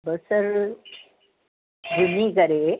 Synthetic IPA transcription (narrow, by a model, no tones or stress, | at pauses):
bəsəɾ | ɡʱumikəɾe